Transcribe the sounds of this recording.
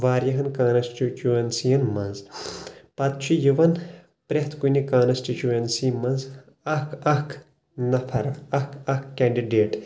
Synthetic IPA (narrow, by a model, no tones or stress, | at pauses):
ʋaːɾjɐɦɐnkaːnɐsʈit͡ʃuɐnsijɐnmɐnz | pɐt̪̚t͡ʃʰijiʋɐn | pɾʲɐɦt̪ʰkunikaːnɐsʈit͡ʃuɐnsimɐnz | ɐkɐkʰ | nɐpʰɐɾɐhkʰɐkkːaːɳɖiɖeːʈ